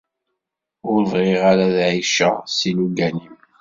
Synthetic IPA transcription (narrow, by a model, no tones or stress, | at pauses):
ʊɾvʁeʁaɾaðʕiʃa̰siluɡænim